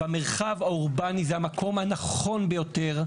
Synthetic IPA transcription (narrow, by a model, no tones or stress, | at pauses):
ame̞ʁχavauʁbanizehamakʰo̞mhanaχo̞nbejo̞te̞ʁ